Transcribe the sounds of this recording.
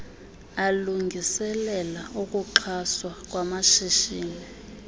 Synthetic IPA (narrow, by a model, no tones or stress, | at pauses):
aluŋɡʱisɛlɛlauk̬ʼuǃʰaswak̬ʼwamaʃiʃiːni